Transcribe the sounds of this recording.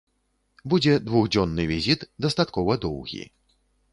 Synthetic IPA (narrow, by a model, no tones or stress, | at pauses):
bud͡zʲɛd̪vuɣd͡zʲɔnːɨvʲizʲit̪d̪ɐst̪at̪kɔvɐd̪ɔwɣʲḭ